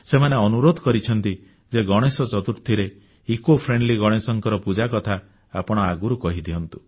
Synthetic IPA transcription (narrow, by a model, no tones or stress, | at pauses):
semaneɔnuɾod̪ʱɔkɔɾit͡ʃʰɔnt̪i | d͡ʒeɡɔɽ̃esɔt͡ʃɔt̪uɾt̪ʰiɾe | ikopʰɾeɳɖliɡɔɽ̃esɔŋkɔɾɔpud͡ʒakɔt̪ʰa | apɔɽ̃ɔaɡuɾukɔɦid̪iɦɔnt̪u̥